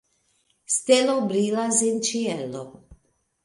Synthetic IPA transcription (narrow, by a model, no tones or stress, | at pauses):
st̪elobɾilazint͡ʃiɛlːo̰